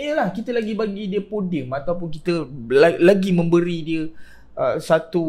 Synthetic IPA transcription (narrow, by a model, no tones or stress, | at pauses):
jəlahkit̪əlaɡibaɡidiəpodimat̪awp̬ʊnkit̪əlalaɡimə̃mbəɾidiə | ʔəsat̪u